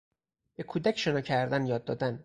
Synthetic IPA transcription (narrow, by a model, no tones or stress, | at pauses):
b̥e̞kʰuːd̪æcʰʃenɒːcʰæɾd̪ænjɒːd̪ːɒ̰ːd̪æn